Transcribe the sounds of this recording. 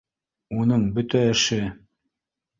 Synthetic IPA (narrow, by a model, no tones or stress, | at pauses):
unɤɴbɵt̪æɘ̆ʃɘ